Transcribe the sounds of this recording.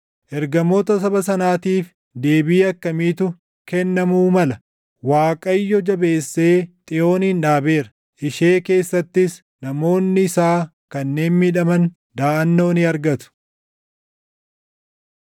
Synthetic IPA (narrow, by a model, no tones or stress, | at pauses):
ʔɛɾɡɐmo̞ːt̪ɐsɐbɐsɐnaːt̪iːf | d̪e̞ːbiːɐkːɐmiːt̪ʊ | kɛnːɐmuːmɐlɐ | waːkʼɐjːɔd͡ʒɐbe̞ːsːe̞ːt̪ʼɪjo̞ːnɪnᶑaːbe̞ːɾɐ̥ | ʔɪʃeːke̞ːsːɐt̪ːɪs | nɐmo̞ːnːɪɪsaːkɐnːe̞ːnmɪᶑɐmɐn | d̪aːʔɐnːo̞ːnɪɐɾɡɐt̪ʊ̥